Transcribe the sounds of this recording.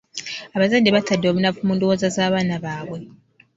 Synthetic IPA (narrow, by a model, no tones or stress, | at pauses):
aβazadːe̞βatadːo̞βunafumuːndowo̞ːzazaːβaːnaβaːβwe̞